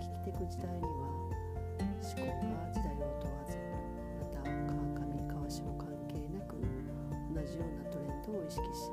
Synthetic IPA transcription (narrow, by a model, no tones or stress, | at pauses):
kʲi̥kʲi̥t̪e̞kɯ̟d͡ʑid̪aiɲiβa | ɕi̥koːɡad͡ʑid̪aiot̪oβat͡sɨ̥meɾɯ | mat̪akakamʲikʰaβaɕimo̞kãŋke̞ːnakɯ̟̰ | o̞naʑijo̞ːnat̪o̞ɾẽ̞nt̪o̞ːiɕi̥kʲi̥ɕi̥